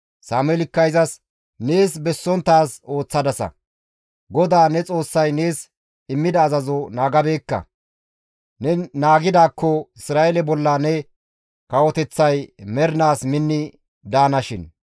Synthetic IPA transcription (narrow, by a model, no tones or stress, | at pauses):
saːmɛlɪkːɐjzɐs | ne̞ːsbɛsːɔnt̪ːaːso̞ːt͡sːɐd̪ɐsɐ̰ | ɡɔd̪aːnɛt͡sʼo̞ːsːɐjne̞ːs | ɪmːɪd̪ɐːzɐzɔnaːɡɐbe̞ːkːɐ̰ | nɛnaːɡɪd̪aːkːɔɪsɾaːʔɛlɛbɔlːɐnɛ | kɐwɔt̪ɛt͡sːɐjmɛɾɪnaːsmɪnːɪ | d̪aːnɐʃɪn